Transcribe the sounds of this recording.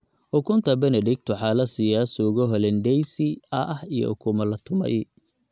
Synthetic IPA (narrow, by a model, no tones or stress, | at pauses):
ʔʊkʰʊnt̪ʰɐbɐnɛɖɪɡ̚t̪ʰʊħɑːlɐsɪjaːsɔɣɔɦɔlɛndɛjsɪɐʔɐhijɔ̰ʔʊ̰kʰʊmɐlɐt̪ʰʊmɐ̰j